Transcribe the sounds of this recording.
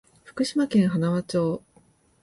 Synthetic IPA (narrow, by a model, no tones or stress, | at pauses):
ɸɯ̟̥kɯ̟ɕimakẽ̞ɰ̃ɦanaβat͡ɕo̞ː